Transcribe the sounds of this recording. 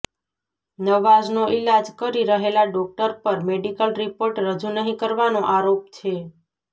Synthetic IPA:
nəʋːad͡ʒnoʔilad͡ʒkəɾiɾəɦelaɖɔk̚ʈəɾpəɾmeɖikəlɾipoɾʈɾəd͡ʒunəɦĩkəɾʋanoʔaɾop̚t͡ʃʰe

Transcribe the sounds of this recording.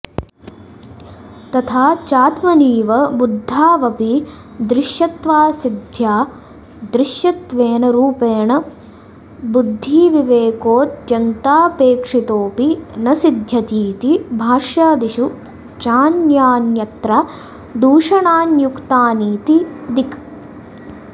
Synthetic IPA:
t̪ɐt̪ʰaːt͡ʃaːt̪mɐniːʋɐbud̪ʱːaːʋɐpi | d̪ɾɪʃjɐt̪ʋaːsid̪ʱjaː | d̪ɾɪʃjɐt̪ʋeːnɐɾuːpeːɳɐ | bud̪ʱːiːʋiʋeːkoːt̪jɐnt̪aːpeːkʂit̪oːpinɐsid̪ʱjɐt̪iːt̪ibʱaːʂjaːd̪iʃu | t͡ʃaːnjaːnjɐt̪ɾa | d̪uːʂɐɳaːnjukt̪aːniːt̪id̪ik

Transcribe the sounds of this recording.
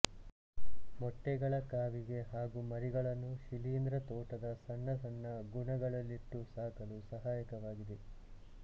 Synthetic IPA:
mɔʈːɛɡɐɭɐkaːʋiɡe̞ɦaːɡumɐɾiɡɐɭɐnːuʃiliːnd̪ɾɐt̪ɔːʈɐd̪ɐsɐnːɐsɐnːɐɡuɳɐɡɐɭɐlːiʈːusaːkɐlusɐɦaːjɐkɐʋaːɡid̪e

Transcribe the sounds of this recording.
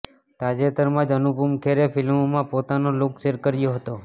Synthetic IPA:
t̪ad͡ʒet̪əɾmãd͡ʒənupumkʰeɾefʰɪlmmãpot̪anolokʃeɾkəɾjoɦət̪o

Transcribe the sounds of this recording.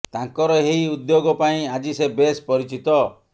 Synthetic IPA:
t̪aŋkɔɾɔɦejud̪joɡɔpaĩad͡ʒisebespɔɾit͡ʃit̪ɔ

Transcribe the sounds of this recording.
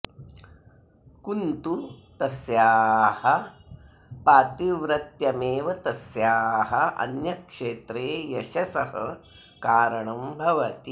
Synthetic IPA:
kunt̪ut̪ɐsjaːhɐ | paːt̪iʋɾɐt̪jɐmeːʋɐt̪ɐsjaːɦɐʔɐ̰njɐkʂeːt̪ɾeːjɐʃɐsɐhɐ̰ | kaːɾɐɳɐmbʱɐʋɐt̪i

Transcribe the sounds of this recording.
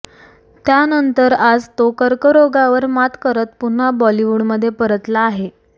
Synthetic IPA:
t̪janənt̪əɾad͡zt̪okəɾkəɾoɡaʋəɾmat̪kəɾət̪̚pun̤abɔliʋuɽməd̪ʱːjepəɾət̪laːɦe

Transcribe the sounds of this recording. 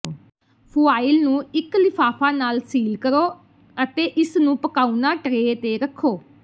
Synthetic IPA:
pʰuːaːɪlnũːɪklɪpʰaːpʰaːnaːlsiːlkəɾoː | ət̪eːʔɪsnũːpəkaːunãːʈəɾeːt̪eːɾəkʰːoː

